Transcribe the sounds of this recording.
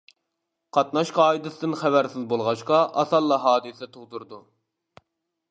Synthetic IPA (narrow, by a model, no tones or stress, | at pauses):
qʰɑt̪nɑʃqɑːid̪ɨsɨd̪ɨnχævæɾsɪzbolˠʁɑʃqɑʔɑsɑlˠːɑɦɑːd̪ɨsɛt̪ʰoʁd̪uɾd̪u